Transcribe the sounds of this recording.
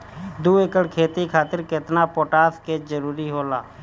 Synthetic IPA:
d̪uːekəɽkʰeːt̪ikʰaːt̪ɪɾkɪt̪napoːʈaːsked͡ʒəɾuːɾiɦoːlaː

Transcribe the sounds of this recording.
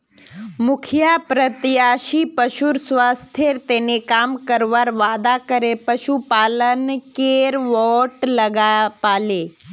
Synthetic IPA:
mʊkʰjapɾət̪jaːʃipəʃuɾsʋast̪ʰeɾt̪enekaːmkəɾʋaɾʋaːd̪akəɾepəʃupaːlənkeɾʋɔʈləɡapaːle

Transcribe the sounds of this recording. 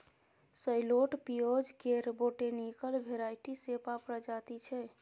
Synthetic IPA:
səjloʈpiod͡ʒkeɾboʈenikəlbʱeɾajʈisepapɾəd͡ʒat̪it͡ʃʰɛ

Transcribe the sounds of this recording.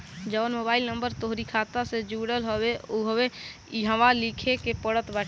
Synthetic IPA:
d͡ʒɔːnmoːbaːɪlnə̃mbəɾt̪oɦɾikʰaːt̪ased͡ʒuːɽəlɦoweuɦəwe | iɦəʋalikʰekepəɽət̪bɛːʈ

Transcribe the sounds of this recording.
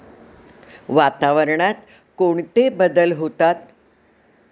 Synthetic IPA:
ʋat̪aʋəɾɳat̪ | koɳt̪ebəd̪əlɦot̪at̪

